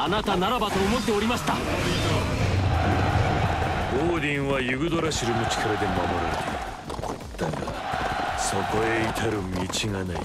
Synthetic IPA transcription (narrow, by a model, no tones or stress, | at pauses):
anat̪anaɾabat̪oomot̪ːe̞oɾʲimaɕi̥t̪a | ɡoːd̪ĩŋβajɯɡɯd̪oɾaɕiɾɯmɯt͡ɕi̥kʰaɾad̪e̞mamoɾɯ̰nd̪ḛ | t̪aka̰ | sokoeit̪ʰaɾɯmʲit͡ɕiŋana̰ḭ